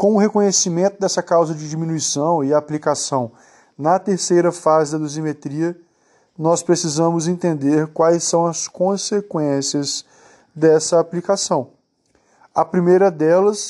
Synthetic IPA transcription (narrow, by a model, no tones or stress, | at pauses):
kõw̃ʊɦekõɲesimẽnt̪ʊd̪ɛsɐkawzɐd͡ʒɪd͡ʒiminuisɐ̃w̃ɪaplikasɐ̃w̃ | nɐt̪eɾsejɾɐfazɪd̪ɐd̪ozimet̪ɾiɐ | nɔspɾesizɐ̃mʊzẽnt̪ẽnd̪eɾkwajsːɐ̃w̃ɐskõsekwẽsiɐz | d̪ɛsɐaplikasɐ̃w̃ | ɐpɾimejɾɐd̪ɛlɐs